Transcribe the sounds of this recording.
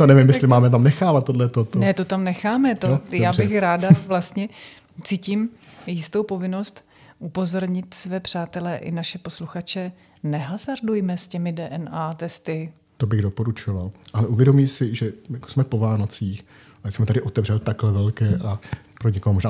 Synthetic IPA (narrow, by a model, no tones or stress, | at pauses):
t̪onɛvɪmjɛslɪmaːmɛt̪amnɛxaːvat̪̚ːodlɛt̪ot̪onɛt̪o̞t̪amnɛxaːmɛt̪ojaːbɪxɾaːdavlast̪ɲɛ | t͡siːciːm | jɪst̪o̞wpo̞vɪno̞st̪ | ʔupo̞zo̞ɾɲɪt̪svɛːpr̝̥aːt̪ɛlɛːʔɪ̰naʃɛpo̞sluxat͡ʃɛ | nɛɦazaɾdujmɛscɛmɪdɛːʔɛnaːt̪ɛst̪ɪ | t̪obɪɣdopo̞ɾut͡ʃovalʔalɛʔuvjɛdo̞miːsɪʒɛjako̥smɛpovaːnot͡siːx | aɪsmɛt̪adɪʔot̪ɛvr̝ɛlt̪aklɛvɛlkɛːʔa | pɾoɲɛkoɦmoʒnaː